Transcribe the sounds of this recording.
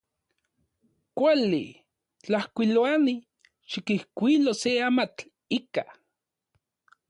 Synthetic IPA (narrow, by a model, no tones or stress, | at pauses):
kʷalḭ | t͡ɬahkʷiloani | ʃikihkʷiloseamat͡ɬ | ika